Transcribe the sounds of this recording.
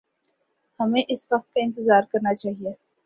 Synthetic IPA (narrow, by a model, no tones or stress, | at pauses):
hɐmẽʔɪsʋɐq̚t̪̚kaɪ̃nt̪ɪzaːɾkɐɾnat͡ʃaːɦie